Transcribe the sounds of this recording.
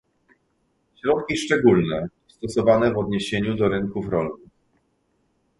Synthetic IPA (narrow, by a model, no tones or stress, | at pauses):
ɕɾɔt̪̚kʲiʂt͡ʂɛɡulnɛ | st̪ɔsɔvanɛvɔd̪ɲeɕeɲud̪ɔɾɘŋkufɾɔlnɘx